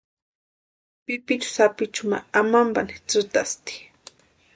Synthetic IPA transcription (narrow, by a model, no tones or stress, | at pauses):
pipit͡ʃʊ̥sapit͡ʃʊma̰amambanit͡sɨt̪ast̪i̥